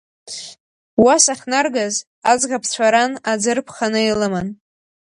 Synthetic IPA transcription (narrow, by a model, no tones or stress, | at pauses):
wasaχnarɡaz | ad͡zʁapʰt͡ɕʷʰaɾanad͡zɨrpʰχanɨelaman